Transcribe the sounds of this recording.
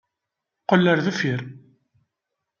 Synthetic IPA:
qəlːəɾðæfiɾ

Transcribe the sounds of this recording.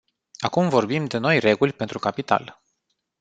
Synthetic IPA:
akumvo̞rbimd̪e̞no̞jre̞ɡulʲpe̞nt̪ɾukapit̪a̰l

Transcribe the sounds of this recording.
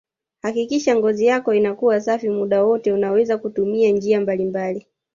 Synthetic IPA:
hakikiʃaŋɡɔzijakɔinakuwasafimuɗawɔtɛunawɛzakutumiand͡ʒiambalimbali

